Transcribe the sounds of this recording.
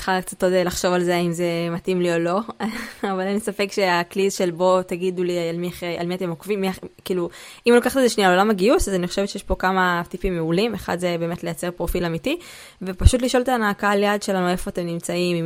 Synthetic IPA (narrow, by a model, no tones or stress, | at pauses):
tχalkt͡sat̪odelaχʃo̞valzeaimze̞matimlio̞lo̞avalanisafe̞kʃe̞aklizʃe̞lbo̞t̪aɡidulialmiaχeʔa̰lmiate̞mokvimːiakiːlu | imlokaχtezeʃnialo̞lamaɡiusazaniχo̞ʃevett͡ʃejeʃpo̞kamat̪ipimːeulimeχa̰dzebe̞ːme̞tle̞jat͡se̞ʁpʁo̞filamiti | vepaʃut̬liʃo̞lt̪aːnaːkaljadʃe̞lanue̞fo̞atemnimt͡saimim